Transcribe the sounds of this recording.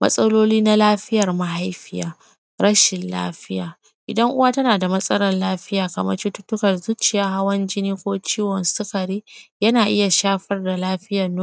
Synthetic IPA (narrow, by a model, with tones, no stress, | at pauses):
mʔɐ̰˦sʼɐ˦loː˦liː˦na˦laː˦ɸɪ˦jɐ˨rma˨ɦa˦jɸɪ˦ja̰ː˨ | ɾɐ˦ʃɪ˨nla̰ː˦ɸɪ˦jaː˨ | ʔɪ˨dɐ˦ŋʔʊ˦waː˦tɐ˦naː˨da˨mɐ˦sʼɐ˦ɾɐ˦nlaː˦ɸɪ˦jaː˨kɐ˨mɐ̰˦t͡ʃʊ˦tʊ˦tːʊ˦kɐ˨rzu˦t͡ʃɪ˨jaː˦ɦa˦wɐ˦nd͡ʒɪ˦niː˦kʷoː˦t͡ʃiː˦wɔ˨nsʊ˦kɐ˨ɾiː˦jɐ˦naː˨ʔɪ˦ja˨ʃaː˦ɸɐ˦rda˨laː˦ɸɪ˦jɐ˨nː˦